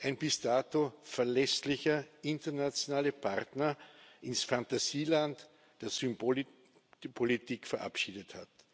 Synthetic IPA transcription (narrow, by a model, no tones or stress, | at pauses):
ʔæɪnbɪsd̥aːtofɛɐlɛslɪçɐɪntɐnat͡sjonaːləpʰaʁtnɐʔɪnsfãntasiːlant | d̥eːɐsympo | pʰolitiːkfɛɐʔa̰pʃiːdəthat